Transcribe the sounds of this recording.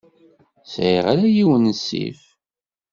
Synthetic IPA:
sʕiʁaɾæjiwənəsːḭf

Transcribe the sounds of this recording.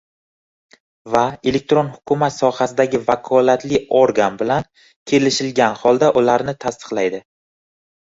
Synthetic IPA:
vae̞le̞k̚t̪ɾo̞nhʊkʰʊmat̪sɒhasɪd̪aɡʲɪvakʰɒlat̪lɪoɾɡanbɪlan | kʲʰe̞lɪʃɪlɡʲanhɒlˠd̪aʔʊlaɾnɪt̪ʰast̪ʰɨ̥qlˠajd̪ɪ

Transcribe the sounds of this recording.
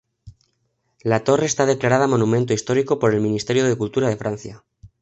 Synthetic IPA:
lat̪o̞re̞ːst̪að̞e̞klaɾað̞amo̞numẽnt̪oist̪o̞ɾiko̞po̞ɾe̞lmĩnist̪e̞ɾjo̞ð̞e̞kult̪uɾað̞e̞fɾan̟θja

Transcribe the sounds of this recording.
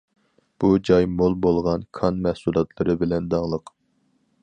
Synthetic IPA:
b̥ud͡ʒɑjmolˠbolˠʁɑnkʰɑnmɛhsulˠɑt̪ʰlˠɨɾɨbɪlɛnd̪ɑŋlˠəq

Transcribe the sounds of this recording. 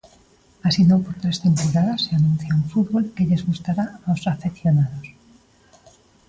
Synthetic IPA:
asinopo̞ɾt̪ɾest̪e̞mpoɾaðaseanũn̟θjauɱfuðβo̞lkeʎe̞zɣust̪aɾaosafeθjonaðos

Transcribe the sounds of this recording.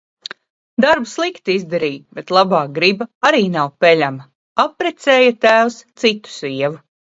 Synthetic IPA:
d̪aɾbuslˠikt̪iizd̪aɾiːbet̪lˠabaːɡɾibaaɾiːnawpɛlʲamɐ | apɾɛt̪sɛːjat̪æːwst̪sit̪u̥siɛvu

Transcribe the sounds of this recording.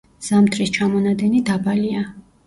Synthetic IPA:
z̥amt̪ʰɾist͡ʃʰamɔnad̪ɛnid̪abalia

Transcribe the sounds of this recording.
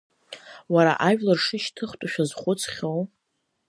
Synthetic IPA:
waɾa̰ʔaʒᶣlarʂɨʃtʰɨχtʼaʃᶣazχʷʊt͡sʰχʲow

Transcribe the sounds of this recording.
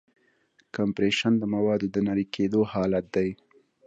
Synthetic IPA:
kampɾeʃand̪əmawɑd̪od̪ənaɾikʰed̪ohɑlat̪̚d̪aj

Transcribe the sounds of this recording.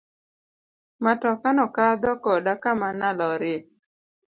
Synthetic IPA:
matɔkanɔkad̪ɔkɔdakamanalɔɾɪ

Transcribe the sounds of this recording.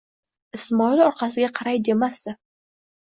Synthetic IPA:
ɪsmɒilɒɾqʰɑsɪɡʲaqʰɑɾajd̪e̞mast̪ɪ

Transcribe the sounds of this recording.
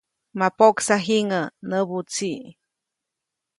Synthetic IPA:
mapoksaɦiŋənəbut͡si

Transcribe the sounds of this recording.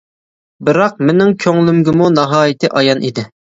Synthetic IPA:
bɪɾɑq̚mɪnɪŋkʲʰøŋlˠymɡʲɪmunɑɦɑːjɪt̪ʰɪʔɑjɑnʔḭd̪ɪ

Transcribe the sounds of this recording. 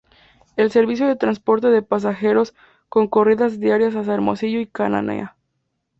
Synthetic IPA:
e̞lse̞ɾβis̬jo̞ðe̞t̪ɾanspo̞ɾt̪e̞ðepas̬axe̞ɾo̞s | ko̞ŋko̞riðazðjaɾjas̬as̬aeɾmosiʝoikana̰nḛa

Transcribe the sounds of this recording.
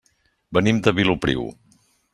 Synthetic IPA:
bənimd̪əβilupɾḭw

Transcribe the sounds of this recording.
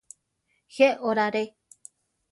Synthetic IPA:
heoɾaɾe

